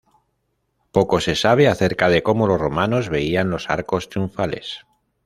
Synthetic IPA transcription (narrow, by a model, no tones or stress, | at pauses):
po̞ko̞se̞saβ̞eaθe̞ɾkað̞e̞ko̞mo̞lo̞zro̞mano̞zβe̞ianlo̞sa̰ɾko̞st̪ɾiuɱfale̞̰s